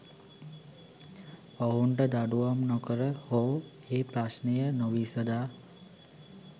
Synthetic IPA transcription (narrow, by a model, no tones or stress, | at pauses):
oɦuɳʈəd̪aɖuʋamnokəɾəhoː | eːpɾasnəjənoʋisəd̪aː